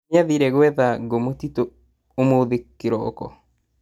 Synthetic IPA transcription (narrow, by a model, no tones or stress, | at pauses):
aðiɾɛɣwɛðaɡomotito | omoðekːeɾɔ̰ːkɔ̰